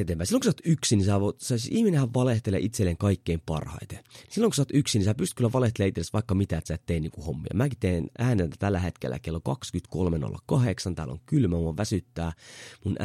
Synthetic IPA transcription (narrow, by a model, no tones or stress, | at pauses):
et̪eːmpæisilːoŋkusɑːt̪yksinisæʋot̪sɑisiihminehæʋʋɑleht̪elḛʔit̪selːeŋkɑikːeimpɑ̰rhɑ̰it̪enisilːoŋkusɑːt̪yksinisæːpyst̪kylːæʋɑleht̪eleɑit̪seesʋɑikːɑmit̪æet̪sæːˑt̪t̪einːiːŋkuhomːḭɑ̰mæːkit̪eːnæːnet̪æt̪ælːæhet̪kḛlːæ̰kelːokɑkskyt̪kolmeno̰lːɑ̰kɑheksɑnt̪æ̰ːlo̰ŋkylmæmuɑʋʋæsyt̪ːæːmun